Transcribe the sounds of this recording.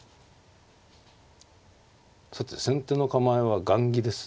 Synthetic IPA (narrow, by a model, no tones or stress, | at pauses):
sat̪esẽ̞nt̪eːno̞kamaeβaɡãŋɡʲid̪e̞sɨ̥